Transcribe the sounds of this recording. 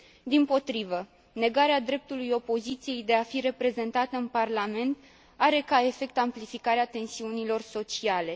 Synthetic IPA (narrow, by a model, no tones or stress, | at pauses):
d̪impo̞t̪ɾivə | ne̞ɡaɾead̪ɾe̞p̚t̪ulujo̞po̞zit̪sije̞jd̪e̞afiɾe̞pɾe̞ze̞nt̪at̪əɨnparlame̞nt̪ | aɾe̞kae̞fe̞k̚t̪amplifikaɾeat̪e̞nsiunilo̞rso̞t͡ʃiale̞